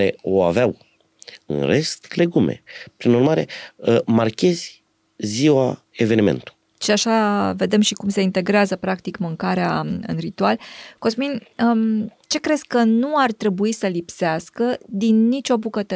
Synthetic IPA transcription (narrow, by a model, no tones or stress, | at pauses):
ɾe̞̰o̞a̰veaw | ɨ̰nre̞st̪le̞ɡume̞̰pɾinurmaɾe̞̰əmarkʲe̞zʲ | ziwa | e̞ve̞nimḛnt̪u̥ | ʃiaʃave̞d̪e̞mʃikumse̞int̪e̞ɡɾeazəpɾakt̪ikmɨŋkaɾeaɨ̰nrit̪ualkosminət͡ʃe̞kɾe̞zkənuart̪ɾe̞buisəlipseaskəd̪inːit͡ʃʲo̞bukət̪ə